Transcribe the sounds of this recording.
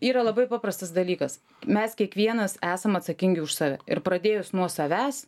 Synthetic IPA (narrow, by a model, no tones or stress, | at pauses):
iːɾɐlˠɐbɐɪpɑːpɾɐst̪ɐsd̪ɐlʲiːkɐs | mʲɛskʲiɛkʋʲiɛnɐsæːsɐmɐt̪sɐkʲɪŋʲɡʲɪʊʃsɑːʋʲɛ̰ɪɾpɾɐd̪ʲeːjʊsnuɔsɐʋʲæːs